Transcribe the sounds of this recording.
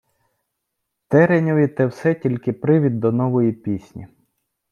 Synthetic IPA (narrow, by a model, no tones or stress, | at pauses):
t̪ɛɾenʲɔʋʲit̪ɛwsɛtʲilʲkɪpɾɪʋʲid̪ːɔnɔʋɔjipʲisʲnʲḭ